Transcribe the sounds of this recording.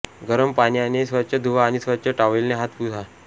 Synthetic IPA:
ɡəɾəmpanijanesʋəɕʰəd̪ʱuʋaːñisʋəɾt͡ɕʰəʈaʋelneɦat̪pud͡z̪ʱa

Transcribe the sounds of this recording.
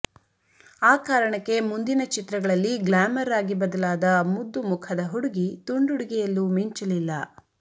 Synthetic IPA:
aːkaːɾɐɳɐkːe̞mund̪inɐt͡ʃit̪ɾɐɡɐɭɐlːiɡlaːmɐɾaːɡibɐd̪ɐlaːd̪ɐmud̪ːumukʰɐd̪ɐɦuɽuɡit̪uɳɖuɽuɡɛjɐlːumiɲt͡ʃɐlilːɐ

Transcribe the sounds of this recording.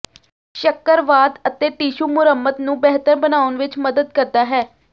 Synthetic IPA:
ʃəkːəɾʋaːd̪ət̪eːʈiːʃuːmʊɾəmːət̪nũːbɛɦt̪əɾbənaːʊnʋɪt͡ʃməd̪əd̪̚kəɾd̪aːɦɛː

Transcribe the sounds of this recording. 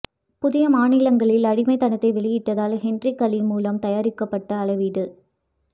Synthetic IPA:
pʊðɪjɐmaːnɪlɐŋɡɐɭɪlɐɽɪmɐɪt̪ːɐnɐt̪ːɐɪʋɛɭɪjɪʈːɐðaːlhɛndrikɐlimuːlɐmt̪ɐjaːɾɪkːɐpːɐʈːɐːlɐʋiɽɯ

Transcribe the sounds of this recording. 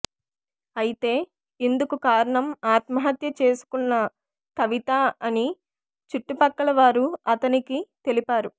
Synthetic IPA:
ɐjit̪e̞ː | ind̪ukukaːɾɐɳɐmaːt̪mɐɦɐt̪jɐt͡ʃe̞ːsu̥kunːɐ | kɐʋit̪aɐni | t͡ʃuʈːupɐkːɐlɐʋaːɾuɐt̪ɐnikit̪e̞lipaːɾu

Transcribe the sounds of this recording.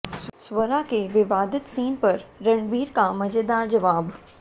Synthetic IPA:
sʋɐɾakeʋɪʋaːd̪ɪt̪siːnpɐɾːɐɳbiːɾkamɐd͡ʒeːd̪aːɾd͡ʑɐʋaːb

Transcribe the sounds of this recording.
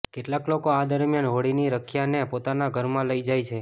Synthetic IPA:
keʈlaklokoad̪əɾmjanɦoɽiniɾəkʰjanepot̪anaɡʱəɾmãləid͡ʒajt͡ʃʰe

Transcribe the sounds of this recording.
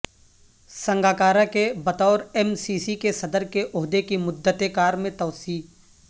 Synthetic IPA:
sɐ̃ŋɡaːkaːɾakebɐt̪ɔːɾɛmsiːsikesɐd̪əɾkeʔʊɦd̪ekimʊd̪ːət̪ekaːɾmẽt̪ɔːsiː

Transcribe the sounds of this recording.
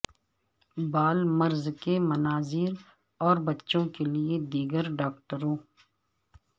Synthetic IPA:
baːlmɐɾzkemɐnaːziːɾ | ɔːɾbɐtːʃõkelied̪iːɡəɾɖaːkʈəɾõː

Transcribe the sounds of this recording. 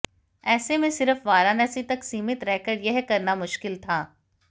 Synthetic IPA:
ɛːsemẽsɪɾəfʋaːɾaːnɛːsit̪ɐksiːmɪt̪ɾɛːkəɾɖjɛɦkɐɾnamʊʃkɪlt̪ʰaː

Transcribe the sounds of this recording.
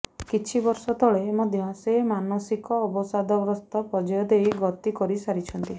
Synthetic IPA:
kit͡ʃʰibɔɾsɔt̪ɔɭemɔd̪ʱjɔsemanɔsikɔːbɔsad̪ʱɔbɾɔst̪ɔpɔd͡ʒɔjɔd̪ejɡɔt̪ikɔɾisaɾit͡ʃʰɔnt̪i

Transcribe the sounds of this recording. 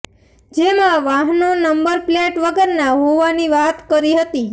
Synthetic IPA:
d͡ʒemãʋaɦnonəmbəɾpleʈʋəɡəɾnaɦoʋaniʋat̪kəɾiɦət̪i

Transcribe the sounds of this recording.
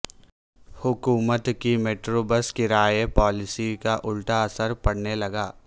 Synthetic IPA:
hʊkuːmət̪kimeːʈɾobəskɪɾaːjepɔːlɪsikaʔʊlʈaɐsəɾpɐɽ̤nelɐɡaː

